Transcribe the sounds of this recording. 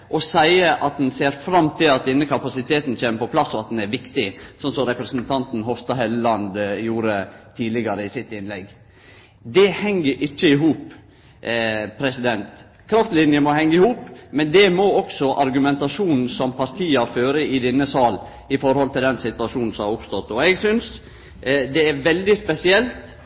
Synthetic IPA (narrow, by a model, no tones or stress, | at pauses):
ʔɔsæɪəʔɑt̪̚d̪ɛnseːɾfɾɑmt̪ʰɪlɑt̪̚d̪ɛnːəkʰɑpɑsɪt̪ʰeːt̪n̩t͡ɕeːməɾpɔpʰlɑsːɔɑt̪̚d̪ɛnæɾʋɪkt̪ɪsɔnsɔmɾɛpɾɛsnt̪ʰɑnt̪n̩ɦɔfst̪ɑɦɛllɑnd̪juːɾət̪ʰiːdlɪɡɑɾəɪsɪt̪ːɪnlɛɡ | d̪ɛhɛŋːəɾʔɪt͡ʃːəɪɦuːp | pʰːɾɛsɪd̪ɛnt̪ | kʰɾɑft̪lɪnjəmɔhɛŋːəɪhuːpmɛnd̪ɛmɔɔksɔʔɑɾɡʉmɛnt̪ɑʂuːnn̩sɔmpʰɑɾt̪ʰiːɑføːɾəɪd̪ɛnːəsɑːl | ɪfɔɾhɔlt̪ʰɪld̪ɛnsɪt̪ʉɑʂuːnn̩sɔmhɑɾʊpst̪ɔt̪ːɔɛɡsʏns | d̪ɛːɾʋɛld̪ɪspɛsɪɛlt̪